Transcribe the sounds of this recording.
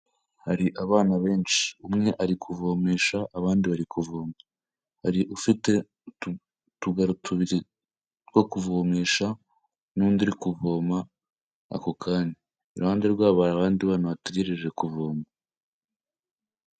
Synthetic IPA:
haɾiʔaβaːnaβe̞ːnt͡ʃi̥umŋe̞ʔaɾikʰuvo̞ːmeːʃaʔːβaːndiβaɾikʰuvoːma | haɾiʔufite̞ | tuɡaɾutʰuβiɾi | wokuvoːmeːʃa | nuːndiɾikuvo̞ːma | a̰ko̞kʰaːndi | ɾuhaːndeɾɡwaːβaaβaːndiβaːnaβateɡeɾeʒe̞kuvoːma

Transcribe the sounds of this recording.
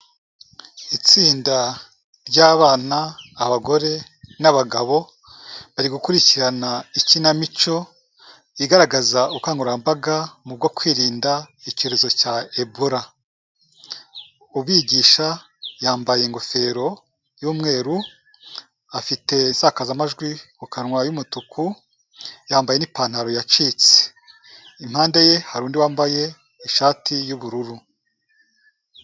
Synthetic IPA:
it͡siːnda | ɾɟaːβaːnaːβaɡo̞ɾe̞ | naβaɡaβo̞ | βaɾiɡukuɾiciɾanaicinamit͡ʃo̞ | iɡaɾaɡazaukaːŋɡuɾambaɡamub̚ɡo̞kwiːɾiːndaico̞ɾe̞zo̞caeboɾa | uβiːɡiːʃa | jaːmbaje̞ŋɡo̞fe̞ɾo̞ | juːmŋe̞ːɾu | afite̞nsakazamaʒɡwikukanŋwajumutukʰu | jaːmbaje̞nipaːn̥haɾo̞jat͡ʃit͡se̥ | im̥haːndeje̞haɾuːndiwaːmbaje | iʃaːtʰijuβuɾuɾu

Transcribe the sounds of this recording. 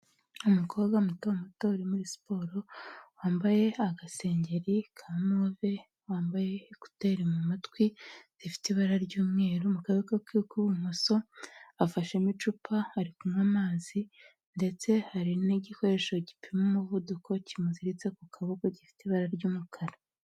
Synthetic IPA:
umukʰo̞ːbɡamutowamatouɾimuɾispo̞ːɾo̞waːmbaje̞aɡase̞ːɲɟe̞ɾikʰanove̞ | waːmbaje̞ku̥teɾemumatwiz̥ifi̥tiβaɾaɾɟuːmŋe̞ːɾomukaekakikuβumuso̞afaʃemit͡ʃupʰahaɾikumŋamaːzi | nde̞t͡se̞haɾiniɟiko̞ɾe̞ʃo̞ɟipʰimemuβudukʰo̞cimuziɾit͡sekukʰaβukoɟifi̥tiβaɾaɾɟuːmukʰaɾa

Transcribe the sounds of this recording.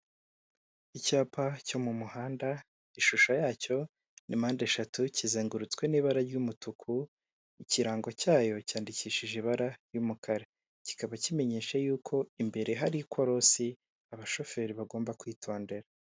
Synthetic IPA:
icaːpʰaco̞mumuhaːnda | iʃuʃajaːco̞ | nʔḭmaːndeʃatucizeːŋɡuɾut͡skwe̞niːβaɾaɾɟumutukʰu | iciɾaːŋɡo̞caːjo̞caːndiciːʃiʒiβaɾaɾjumukʰaɾe̞ | ci̥kaβacime̞ɲe̞ːʃajuːkʰo̞imbe̞ɾe̞ɦaɾikwoɾo̞si | aβaʃo̞fe̞ːɾiβaɡo̞ːmbakwiːtʰo̞ːnde̞ɾa

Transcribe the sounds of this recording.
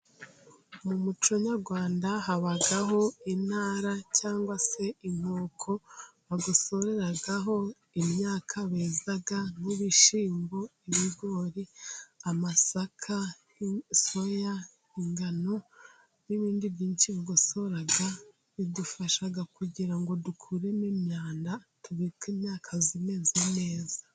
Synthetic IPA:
mumut͡ʃoɲaɾɡwaːndaɦaβaɡaɦo̞inaːɾacaːŋɡwase̞imoːkʰo̞βaɡuso̞ɾe̞ɾaɡaɦo̞ | imɲaːkʰaβeːzaɡamuβiʃiːmbo̞iβiɡo̞ːɾiamasakʰa | iso̞ja | iŋɡano̞ | niβiːndiβjiːnt͡ʃiβaɡosoɾaɡa | βidufaʃaɡakuɟiɾaŋɡo̞dukʰuɾe̞nimɲaːndatuβikiːmɲaːkʰazime̞zene̞ːzḁ

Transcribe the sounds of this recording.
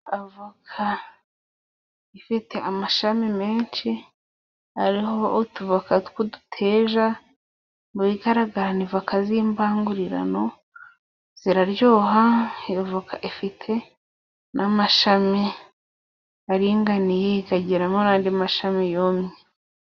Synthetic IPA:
avakʰa | ifitʰe̞ʔamaʃamime̞ːnʃi | haɾihootuvakatkudu̥tʰe̞ːʒa | muiɡaɾaɡaɾanivakaziːmbaːŋɡuɾiɾa̰no̞ | z̥iɾaɾjoːɦajovakʰaʔifitʰe̞ | nʔamaʃami | aɾiŋɡanijeɡaɟiɾamonaːndimaʃamijoːmɲe

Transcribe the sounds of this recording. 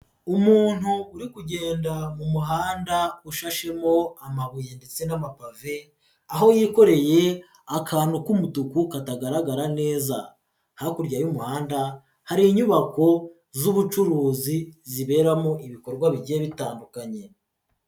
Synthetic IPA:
umuːn̥huːɾikuɟe̞ːndamumuɦaːndauʃaʃe̞mo̞amaβujende̞t͡se̞namapave̞ | aɦo̞jiːko̞ɾe̞je̞ | akʰaːnukumutukukataɡaɾaɡaɾane̞ːza | hakuɾɟajumuhaːnda | haɾiɲuβako̞ | zuβut͡ʃuɾuːziziβe̞ːɾamoʔiβiko̞ɾɡwaβiɟijeβitaːndukaɲe̞

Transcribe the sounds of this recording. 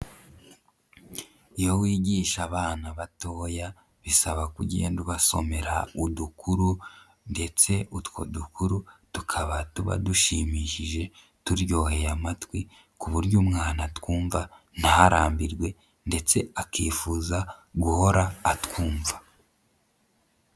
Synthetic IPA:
ijowiːɟiːʃaβaːnaβato̞ːja | βisaβakuɟieḛːnduβaso̞̰me̞ɾa̰udukuɾu | nde̞t͡se̞utwo̞̰dukuɾutukʰaβatuβa̰duʃimiʃiʒe̞ | tuɾjo̞ːhe̞jamatwi | kuβuɾjumŋaːnatwuːɱva | n̥hahaɾaːmbiɾɡwe̞ | nde̞t͡se̞akiːfuːzaɡuho̞ɾaːtkuːɱva

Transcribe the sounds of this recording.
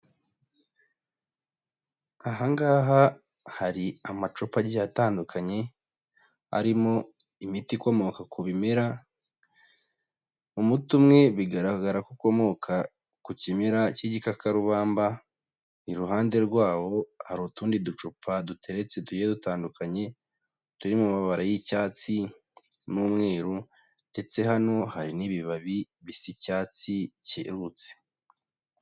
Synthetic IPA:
aɦaŋɡaːɦa | haɾiamat͡ʃupaɟiataːndukʰaɲe̞ | a̰ɾimo̞ | imitikwomo̞kakʰuβimeɾa | umutumŋe̞βiɡaɾaɡaɾakuko̞mo̞kʰa | kucimeɾaciɟikakaɾuβaːmba | niɾuɦaːnde̞ɾɡwaːwo̞haɾuːtuːndidut͡ʃupʰadutʰe̞ɾe̞t͡se̞tujedutaːndukʰaɲe̞ | tuɾimumaβaɾajicaːt͡si | nuːmŋe̞ːɾu | nde̞t͡se̞ɦano̞haɾiniβiβaβi | βisicaːt͡sicḛɾut͡se̥

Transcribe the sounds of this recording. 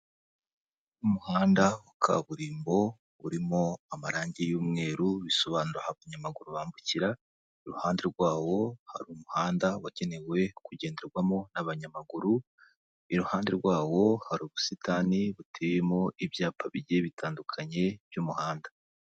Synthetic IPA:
umuhaːndaukʰa̰βuɾiːmbo̞ | uɾimo̞amaɾaːɲɟijuːmŋe̞ːɾuβiso̞βaːnuɾahaβaɲamaɡuɾuβaːmbuciɾa | iɾuhaːndeɾɡwaːwo̞ha̰ɾumuhaːndawaɟ̥e̞ne̞we̞kuɟe̞ːndeɾɡwamo̞naβaɲamaɡuɾu | iɾuhaːnde̞ɾɡwaːwo̞haɾuːβusitaːniβutʰejemo̞ʔiβjaːpʰaβiɟe̞βitʰaːndukʰaɲe̞β̥jumuhaːndḁ

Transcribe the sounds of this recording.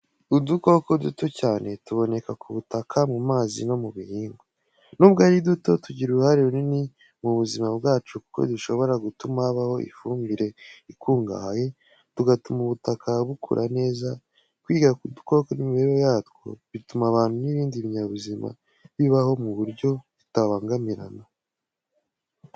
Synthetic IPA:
uduko̞ko̞dṵto̞caːne̞tuβo̞ne̞kakʰuβutakʰamumaːzḭno̞muβihiːŋɡo | nubɡaɾiduto̞tuɟiɾuɾuhaɾiɾunini | muβuzimabɡaːt͡ʃuku̥ko̰duʃo̞βo̞ɾaɡutumaβaho̞ḭfuːmbiɾe̞ikuːŋɡa̰haje | tuɡatumuβutakʰaβukʰṵɾʔa̰ne̞ːza | kwiːɡakudu̥ko̞konimiβeɾɾojaːtɡo̰βitumaβaːn̥huniβiːndiβiɲaβuzima̰ | βiβaho̞muβuɾɟo̞βitawaːŋɡamiɾa̰na

